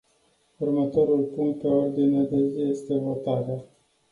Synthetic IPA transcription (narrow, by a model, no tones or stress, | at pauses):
urmət̪o̞ɾulpuŋkt̪̚pe̞o̞rd̪inead̪e̞zije̞st̪e̞vo̞t̪aɾea